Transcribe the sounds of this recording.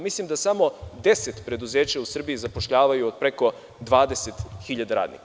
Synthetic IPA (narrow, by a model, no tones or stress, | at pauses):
mislˠimd̪asamo̞d̪e̞set̪pɾe̞d̪uzeːt͡ɕausr̩biizapo̞ʃʎaːʋajuod̪̚pɾe̞ko̞ | d̪ʋaːd̪e̞set̪xiʎad̪aɾa̰ːd̪nḭk